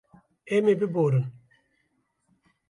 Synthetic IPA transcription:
emebiboɾu

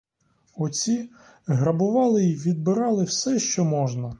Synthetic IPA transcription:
ɔt͡sʲi | ɦɾɐbʊʋɑlˠɪiʋʲid̪̚bɪɾɑlˠɪwsɛʃt͡ʃɔmɔʒnɐ

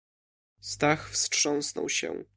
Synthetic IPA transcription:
st̪axfstʂɔ̃w̃snɔ̰wɕɛ̰

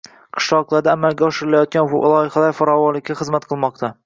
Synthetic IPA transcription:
qʰɨ̥ʃlˠɒʁlˠaɾd̪aːmalɡʲaɒʃɪɾɪlajɒt̪̚kʲanvʊ̰lˠɒjɪχalaɾfaɾɒwɒnlɪkʲʰːaχɨzmat̪qʰɨlˠmɒqt̪ʰa

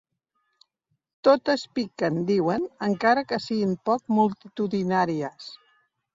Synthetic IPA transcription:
t̪ot̪əspikənd̪iwənəŋkaɾəkəsiɣimpɔk̚mulˠt̪it̪uðinaɾiəs

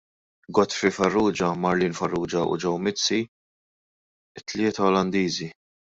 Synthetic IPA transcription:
ɡɔt̪fifɐrːuːd͡ʒɐmɐɾliːnfɐrːuːd͡ʒɐṵd͡ʒɛwmɪt͡sːi | ɪt̪ːlɪːt̪ɐɔlɐnd̪iːzi

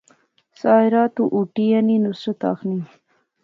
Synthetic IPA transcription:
sɑːɪɾɑːt̪uʔuʈijaninusɾat̪ɑ̰ːxni

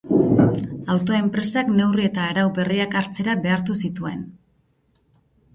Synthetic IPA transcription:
awt̪oe̞mpɾe̞sakne̞wrie̞t̪aeɾawbe̞riakaɾt͡se̞ɾabe̞aɾt̪usit̪ue̞n

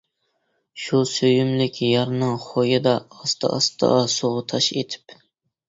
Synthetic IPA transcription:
ʃusøjymlɪkʲʰjɑɾnɨŋχojɨd̪ɑːst̪ɑ̰ʔɑst̪ɑ̰ɑsoʁʊt̪ʰɑʃḛt̪ʰɪ̥p

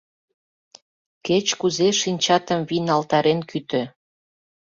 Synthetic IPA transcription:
ket͡ɕkuzeʃinʲt͡ɕɑt̪əmvinɑlt̪ɑɾenkyt̪ø̆

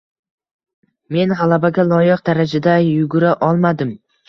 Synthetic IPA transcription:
me̞nʁɑlˠabaɡʲalˠɒjɪq̚d̪aɾad͡ʒad̪ajʊɡʊɾaʔɒlˠmad̪ɪm

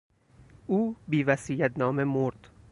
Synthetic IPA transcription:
uːbiːvæsiːjæt̪nɒːmemoɾd̪̥

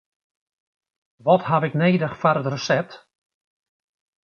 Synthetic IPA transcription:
ʋɔtɦavɪkneːdəxfaɾətrəsɛp̚t

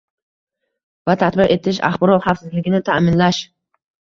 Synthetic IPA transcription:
vat̪ʰat̪bɪɾe̞t̪ʰɪʃa̰χbɒɾɒt̪hafsɪzlɪɡʲɪnɪt̪ʰamɪnlaʃ

